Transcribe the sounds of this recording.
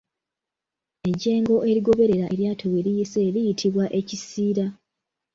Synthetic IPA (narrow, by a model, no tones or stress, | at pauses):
e̞ɟe̞ːŋɡo̞ʔe̞ɾiɡo̞βe̞ɾe̞ɾaʔeɾjaːtʰoweɾijise̞ɾijitʰiβwaʔe̞cisiːɾa